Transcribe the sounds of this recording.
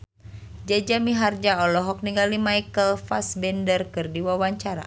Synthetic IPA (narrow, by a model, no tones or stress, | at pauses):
d͡ʒad͡ʒamiɦard͡ʒaɔlɔɦɔk̚niŋɡalimajkəlfasbɛndərkɨrdiwawaɲt͡ʃaɾa̰